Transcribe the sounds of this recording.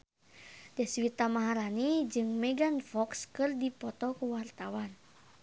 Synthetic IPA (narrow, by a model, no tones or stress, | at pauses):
dɛswit̪amaɦaɾanid͡ʒɨŋmɛɡanfɔkskɨrdipɔt̪ɔkuwart̪awan